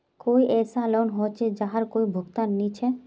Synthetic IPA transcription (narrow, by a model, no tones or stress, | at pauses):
koiʔɛːsalonɦot͡ʃʰed͡ʒaɦaɾkoibʱoɡt̪anːit͡ʃʰɛ